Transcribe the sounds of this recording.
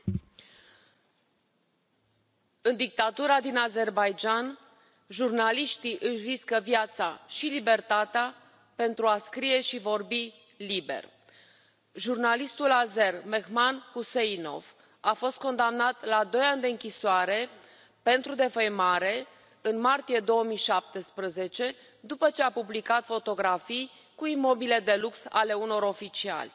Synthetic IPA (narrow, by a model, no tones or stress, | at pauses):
ɨnd̪ik̚t̪at̪uɾad̪inaze̞rbajd͡ʒan | ʒurnaliʃt̪iʔɨʃriskəvjat̪saʃilibe̞rt̪at̪ea | pe̞nt̪ɾuaskɾije̞ʃivo̞rbi | libe̞̰r | ʒurnalist̪ulazermexmanhuseino̞̰v | afo̞st̪̚ko̞nd̪amnat̪lad̪o̞jand̪e̞ɨŋkʲisoaɾe̞ | pe̞nt̪ɾud̪e̞fəjmaɾe̞ | ɨnmart̪ije̞d̪o̞əmijʃap̚t̪espɾəze̞t͡ʃe̞ | d̪upət͡ʃe̞apublikat̪fo̞t̪o̞ɡɾafij | kuimo̞bile̞d̪e̞luksa̰le̞uno̞ɾo̞fit͡ʃia̰lʲ